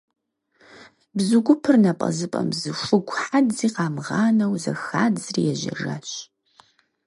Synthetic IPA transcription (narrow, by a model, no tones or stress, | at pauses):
bzɨɡʷʊpʰɨrnɐpʼɐ̰zɨpʼɐmzɨʂʷʊɡʷʰʼħadziːqɑːmʁɑːnɐwzɐ̰xaːdzrḭjɛʒɐ̰ʐa̰ɕ